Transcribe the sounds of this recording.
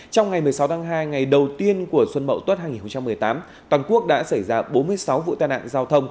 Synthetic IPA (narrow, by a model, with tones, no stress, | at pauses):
t͡ɕɔ˧wŋ͡mŋa˨˩jmɨ˨˩əjsa˨˦wt̪aː˨˦ŋɦaː˧jŋa˨˩jɗə˨˩wt̪i˧ənku˧˩əswə˧nmə̰˧˨t̪wə˦˥t̚haː˧jŋi˨˩n˨xə˧ŋ͡mt͡ɕa˧mːɨ˨˩əjt̪aː˨˦m | t̪waː˨˩nku˦˥ək̚ɗa̰ː˧˥sa˧˩jzaː˧ɓo˨˦nmɨ˧əjsa˨˦wvṵ˧˨t̪aː˧jna̰ː˧˨nzaː˧wt̪ʰə˧wŋ͡m